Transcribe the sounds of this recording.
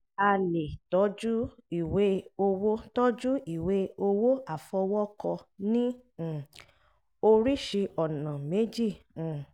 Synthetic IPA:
a˧le˨tɔ˨˦d͡ʒu˦i˦˨we˨˦o˧wo˦tɔ˦d͡ʒu˦i˦˨we˨˦o˧wo˦a˦˨fɔ˧wɔ˦kɔ˧nĩ˦˨ | o˧ɾi˦ʃe˧ɔ˨nã˨me˦d͡ʒĩ˦˨

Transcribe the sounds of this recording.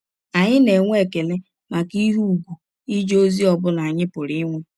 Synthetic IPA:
a˨ɲɪ˦ne˨ŋʷ˦e˨ke˨le˦ | ma˨ki˦ɦu˦u˨ɡʷu˨ | i˦d͡ʒo˦zi˦ɔ˨bʊ˦la˨a˨ɲɪ˦pʊ˨ɾi˦ŋʷe˦

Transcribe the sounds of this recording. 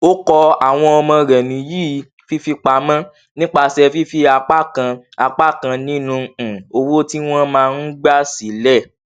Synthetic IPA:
o˦kɔ˧a˨w̃ɔ̃˧ɔ˧mɔ̃˧ɾɛ˨nĩ˨˦ji˦˨ | fi˦fi˧k͡pa˧mã˦ | nĩ˦k͡pa˧sɛ˧fi˦fi˧a˧k͡pa˦kã˧ | a˧k͡pa˦˨kã˧nĩ˦nũ˧˨o˧wo˦ti˦w̃ɔ̃˦mãː˦˧n̩˦ɡ͡ba˦si˨˦lɛ˦˨

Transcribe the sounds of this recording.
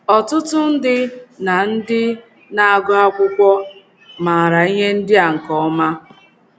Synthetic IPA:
ɔ˨tʊ˦tʊ˦n̩˦dɪ˦na˨n̩˦dɪ˦ | na˨a˨ɡʊ˦a˦kʷʊ˦kʷɔ˦ | ma˨ɾa˨i˦ɦe˦n̩˦dɪ˦a˨ŋ̩˨kɔ˦ɔ˦ma˦

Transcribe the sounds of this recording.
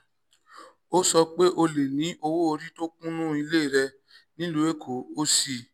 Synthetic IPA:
o˦sɔ˧k͡pe˦ʔo˧le˨nĩ˨˦ʔo˧wo˦o˧ɾi˦to˦kũ˦nũ˦˨i˧le˦i˦˨ɾɛ˧ | nĩ˨˦lu˧˦e˦kʰo˨o˦si˦˧˨

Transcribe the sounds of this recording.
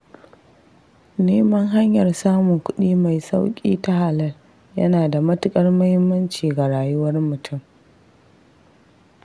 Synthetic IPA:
neː˦mɐ˦ŋɦa˦ɲjɐ˨rsaː˦mʊ˨ŋkʷʊ˦ɗiː˦ma˨jsa˦wkʲʼḭː˦ta˦ha˨lɐ˦l | jɐ˦naː˨da˨mɐ˦tʊ˦kʼɐ˦rmɐ˦hɪ˦mːɐ˦nt͡ʃiː˨ɡa˨ɽaː˨jʊ˦wɐ˦rmʊ˨tʰʊ˦m

